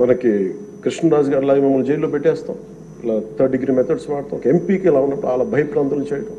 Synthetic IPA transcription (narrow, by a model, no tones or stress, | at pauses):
mɐnɐki | kɾiʂnɐɾaːd͡ʒɐɡaːɾilaːɡɐmɐmːɐlud͡ʒejloːpeʈːɛːst̪a̰ːm | ilaːt̪ʰɐɖɖiɡɾiːmɛt̪ʰɐɖsʋaːɽt̪aːkɐempiːkiɛlaːunːɐpːuɽuaːlaːbʱɐjɐpɾaːnt̪ɐlɐnt͡ʃɛːjɐʈɐm